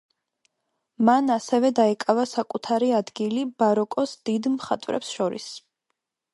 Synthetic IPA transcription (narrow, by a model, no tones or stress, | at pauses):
manasɛvɛd̪aɛkʼavasakʼut̪ʰaɾiad̪ɡilibaɾɔkʼɔsd̪̥id̪mχat̪ʼvɾɛ̰psʃɔɾḭs